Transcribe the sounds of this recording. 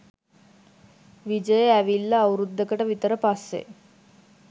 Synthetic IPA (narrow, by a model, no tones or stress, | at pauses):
ʋid͡ʒəjəæʋilːɐːwɾud̪ːəkəʈəʋit̪əɾəpasːḛ